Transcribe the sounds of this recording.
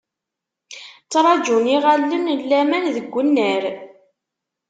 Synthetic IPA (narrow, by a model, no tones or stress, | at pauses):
t͡sːɾˤɑd͡ʒuniʁalːənlːæmænðəɡʷːənːəɾ